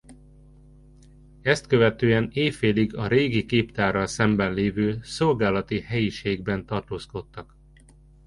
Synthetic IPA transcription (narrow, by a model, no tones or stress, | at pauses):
ɛst̪kø̞vɛt̪øːɛneːfeːliɡɒɾeːɡikeːpt̪aːrɒlsɛmbɛnleːvøːsolɡaːlɒt̪ihɛjiʃeːɡ̚bɛnt̪ɒrt̪oːsko̞t̪ːɒk